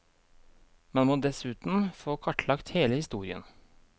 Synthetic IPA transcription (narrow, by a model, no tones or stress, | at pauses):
mɛnmoːd̪ɛsʉːt̪n̩foːkʰɑʈʰlɑkt̪heːləhɪst̪uːɾɪə̰n